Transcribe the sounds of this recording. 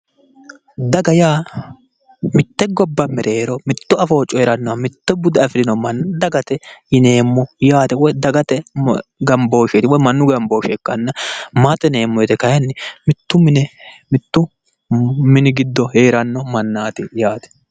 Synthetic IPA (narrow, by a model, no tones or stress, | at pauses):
d̪ɐɡɐjaː | mɪt̪ːɛɡɔbːɐmɛɾʔɛɾɔmɪt̪ːʊɐfo̞ːt͡ʃʼːɔheɾɐnːɔwɐmɪt̪ːɛbʊd̪ɛɐfɪɾɪnɔmɐnd̪ɐɡɐt̪ɛɪneːmːɔjaːt̪ɛwɔjd̪ɐɡɐt̪ɛɡɐmbo̞ːʃet̪ɪwɔjmɐnːʊɡɐmboːʃɛkːɐnːɐmaːt̪ʼːɛne̞ːmːɔjɛt̪ɛkɐjɐnːɛmɪt̪ːʊmɪnɛmɪt̪ːʊ | mɪnɪɡɪd̪ːɔheːɾɐnːɔmɐnːaːt̪ɪjaːt̪ɛ̥